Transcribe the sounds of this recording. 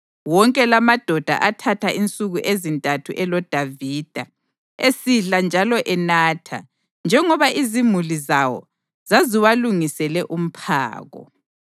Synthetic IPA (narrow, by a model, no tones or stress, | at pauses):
wɔŋkʼɛlamad̥ʱɔd̥ʱa̰ʔatʰatʰaʔint͡sʼuɣuʔezintʼatʰuʔɛlɔd̥ʱavid̥ʱa | esiɮand͡ʒʱalɔʔɛnaːtʰa̰ | nd͡ʒʱɛŋɔβaʔizimulizawɔ̰ | z̥aziwaluŋisɛlɛʔum̩pʰa̰ːɣɔ̰